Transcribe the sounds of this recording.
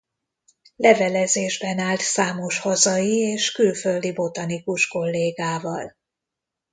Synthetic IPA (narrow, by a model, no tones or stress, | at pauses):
lɛvɛlɛzeːʒbɛnaːlt̪saːmo̞ʃhɒzɒjieːʃkylføld̪ibo̞t̪ɒnikuʃko̞lːeːɡaːvɒl